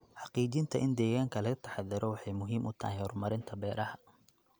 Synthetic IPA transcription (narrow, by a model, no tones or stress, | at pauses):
ħɑqiːt͡ʃɪnt̪ʰɐʔɪnd̪ɛːɣaːŋkʰɐlɐɣɐt̪ʰɐ̥ħɑðɪɾɔwɑħɑjmʊɦiːmʔʊt̪ʰɐ̰hɛhɔrmɐɾɪnt̪ʰɐbɛːɾɐhɐ